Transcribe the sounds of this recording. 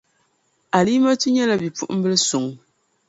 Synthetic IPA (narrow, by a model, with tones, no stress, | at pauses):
a˨li˦mɔ˦tɨ˦ɲɛ˦la˦bi˨pṵ˦ʔm̩˦bɨ˦lsu˨ŋ